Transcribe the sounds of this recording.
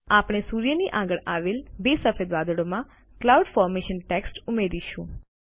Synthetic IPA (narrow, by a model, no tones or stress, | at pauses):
apɽ̃esuɾjəniʔaɡəɭaʋelbesəfʰed̪ʋad̪əɽomã | klauɖfɔɾmeʃənʈeksʈumeɾiʃũ